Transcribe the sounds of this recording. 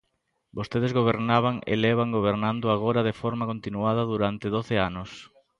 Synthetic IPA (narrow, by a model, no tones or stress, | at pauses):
bost̪eð̞ezɣoβ̞eɾnaβ̞aŋḛlɛβaŋɡoβ̞eɾnãnd̪ʊaɣ̞oɾɐðefɔɾmakont̪inuað̞ɐðuɾant̪ɪðoθeanʊs